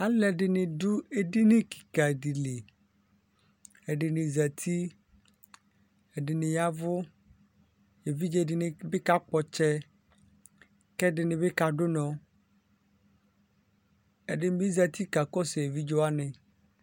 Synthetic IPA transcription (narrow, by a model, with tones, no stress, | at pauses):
a˦lɛ˨ɖɪ˨nɪ̃˨dʊ˦e˨ɖi˦nẽ˦ki̥˨ka˨ɖi˨li˨ | e˨ɖɪ˨nɪ̃˨za˨t̪ʰi˦ | e˨ɖɪ˨nɪ̃˨ja˦vʊ˦ | je˨vi˦d͡ʒɛ˦˨ɖɪ˦nɪ̃˦be˦ka˦k͡pɔ˨t͡ʃɛ˦ | kɛ˦ɖɪ˨nɪ̃˨be˦ka˨ɖo˦nɔ̃˨ | e˨ɖɪ˨ñ˦bi˦za˨t̪i˦ka˨kɔ˦se˨e˨vi˦d͡ʒɔ˦a˦nẽ˨